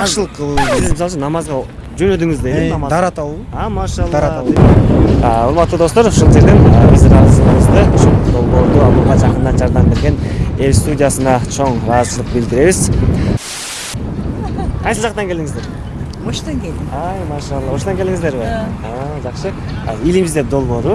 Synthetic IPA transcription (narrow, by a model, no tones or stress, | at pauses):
ɑʃlˠəqʰːlˠsizmsɑlˠt͡ʃunɑmɑzʁɑ | d͡ʒønød̪yŋyzd̪enɑmɑd̪ɑɾɑt̪ɑ | ɑmɑʃɑlˠɾ | uɾmɑt̪ːud̪o̞st̪oɾuʃulˠd͡ʒe̞ɾd̪enəbizɾɑɾzəəzd̪əuʃulˠd̪o̞lˠbo̞ɾd̪uɑbuʁɑd͡ʒɑqənd̪ɑd͡ʒɑɾd̪ɑnbe̞ɾɡʲe̞ne̞lʲst̪udʲijasɯnɑt͡ʃʰo̞ɴɾɑzt͡ʃɯlˠəq̚bild̪iɾe̞βiz̥ | qʰɑjsɯlˠd͡ʒɑq̚t̪ɑŋkʲe̞ld̪iŋizd̪e̞ɾ | oʃt̪ɑŋkʲeld̪iɑjmɑʃɑlˠɯoʃt̪ɑŋkʲe̞liŋizd̪e̞ɾbiɑd͡ʒɑχʃɯ | ilʲimizd̪e̞p̚d̪o̞lˠbo̞ːɾu